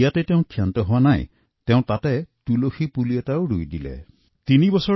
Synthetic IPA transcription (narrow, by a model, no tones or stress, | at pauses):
jatɛteʊ̃kʰːijantɔɦowanaj | teʊ̃t̪atɛtuloxʰipuliataoʊɾujdilɛ̰ | t̪inibɔsɔ